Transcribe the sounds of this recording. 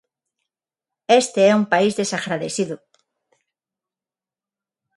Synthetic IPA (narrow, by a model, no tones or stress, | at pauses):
est̪eɛumpaizðesaɣɾaðeθiðʊ